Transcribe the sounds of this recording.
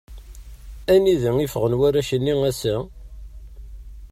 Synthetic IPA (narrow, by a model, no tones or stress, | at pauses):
æniðəŋifəʁənwæɾæʃənːiŋæsæ